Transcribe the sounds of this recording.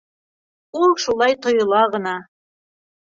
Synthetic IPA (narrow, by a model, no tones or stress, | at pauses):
ulˠʃulˠɑjt̪ŏjŏlˠɑʁɤ̆nɑ